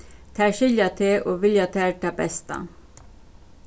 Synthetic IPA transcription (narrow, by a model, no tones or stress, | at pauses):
t̪ʰæːʃɪljat̪ʰeʔoːʋɪljat̪ʰæːɾʈɑbɛ̰st̪a̰